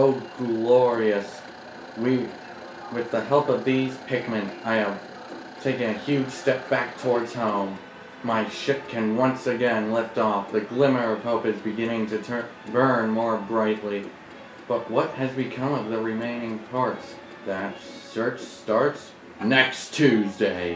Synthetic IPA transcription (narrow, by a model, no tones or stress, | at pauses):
oʊɡ̥lɔɹiɨs | wi | wɨðəhɛlˠpʌvðiz̥pʰɪk̚mɨ̃ntaɪɨv̥ | tʰeɪkɪ̃ŋɨhjʉd̥ʒ̥stɛp̚b̥æk̚tʰɔɹdz̥hõʊ̃mː | aɪʃɪp̚kʰɨ̃nwʌ̃nsɨɡɛ̃nlɛftɔfðɨɡlɪ̃mə˞ʌv̥hoʊpɨzbɨɡɪ̃ñɪ̃ŋtʰɨtʰ | bɜ̃˞nmɔɹbɹaɪʔˡli | b̥ʌt̚wʌt̚hɨzbɨkʰʌ̃mʌvðɨɹɨmẽɪ̃nɪ̃ŋpʰɑɹts | ðɨt | sɜ˞t͡ʃtɑɹts | nɛkstʰʉzdeɪ